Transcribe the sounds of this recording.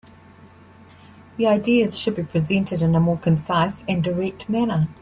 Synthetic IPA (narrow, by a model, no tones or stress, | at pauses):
ðiaɪdiəz̥ʃəd̚bipʰɹ̥izɛ̃ntʰɪdɪ̃nəmɔːkʰə̃nsaɪsə̃ndəɹɛk̚tmænə